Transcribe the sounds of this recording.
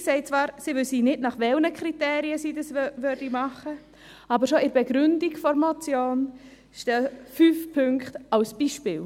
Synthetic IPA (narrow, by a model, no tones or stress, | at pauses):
sɛɪt͡svɑːɾsiʋʏlsiːnɪdnɑχʋɛlnəkʰɾitɛːɾiəsiːdɑsʋøɾd̥imɑχə | ɑːbəɾʃoɪɾbɛɡɾʏndiɡ̥fɔɾmɔt͡sjoːn | ʃtɛfyːfpʰʏŋktɑlsb̥iːʃpɪːl